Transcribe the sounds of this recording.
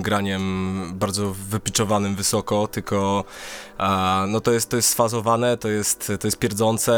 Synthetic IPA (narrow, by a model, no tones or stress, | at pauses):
mɡɾaɲɛmbaɾd̪zɔvɘpʲit͡ʂɔvanɘmvɘsɔkɔt̪ɘlkɔ | nɔt̪ɔjɛst̪t̪ːɔjɛst̪sfazɔvanɛt̪ɔjɛst̪t̪ɔjɛst̪pʲjɛɾd̪zɔnt̪sɛ